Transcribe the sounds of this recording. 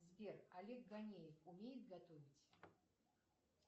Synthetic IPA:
zʲbʲeralʲɛkɡanʲejɛfumʲejɪt̪̚ɡɐt̪ovʲitʲ

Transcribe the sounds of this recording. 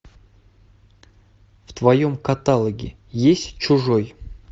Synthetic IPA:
ft̪vɐjomkɐt̪alˠəɡʲɪ̰ | jesʲtʲt͡ʃʊʐoj

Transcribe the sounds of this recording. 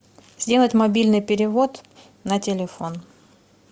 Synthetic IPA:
z̥ʲdʲe̞lˠətʲmɐbʲilʲnɨjpʲɪɾʲɪvo̞t̪ | nətʲɪlʲɪfo̞n

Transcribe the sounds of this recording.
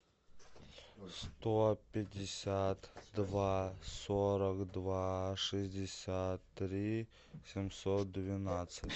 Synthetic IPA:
st̪opʲɪdʲɪsʲat̪d̪vasoɾəkd̪vaʂɨzʲdʲɪsʲat̪ːɾʲi | sʲɪmʲsot̪̚d̪vʲɪnat̪sətʲ

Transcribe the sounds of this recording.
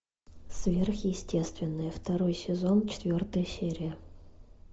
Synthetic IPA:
svʲerxjɪsʲtʲe̞st̪vʲɪnːəjəft̪ɐɾo̞jsʲɪzo̞nt͡ɕɪ̥t̪vʲo̞rt̪əjəsʲeɾʲɪjə

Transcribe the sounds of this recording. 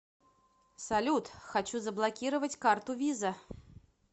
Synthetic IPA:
salʲut̪xat͡ɕuzɐblˠakʲiɾɐvɐt͡sʲkart̪ʊvʲizɐ

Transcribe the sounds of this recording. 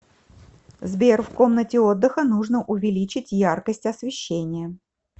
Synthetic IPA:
zbʲerfko̞mnətʲɪo̞d̪ːɨxənuʐnəʔʊvʲɪlʲit͡ɕɪtʲjarkəsʲtʲɐsvʲɪɕːenʲɪjə

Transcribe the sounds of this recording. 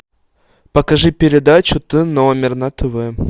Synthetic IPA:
pɐkɐʐɨpʲɪɾʲɪd̪at͡ɕʊt̪ɨnɔmʲɪrnat̪ɨvɨ

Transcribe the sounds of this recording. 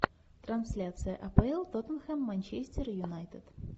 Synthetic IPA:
t̪ɾɐnsʲlʲat̪sɨjəʔɐpəɛlˠt̪ot̪ənxɛmːanʲt͡ɕesʲtʲɪɾjʊnajt̪ət̪

